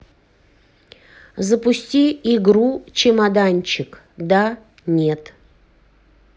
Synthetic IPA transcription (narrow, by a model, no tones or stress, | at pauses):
zəpʊsʲtʲiɪɡɾut͡ɕɪmad̪anʲt͡ɕɪk | d̪a | nʲe̞t̪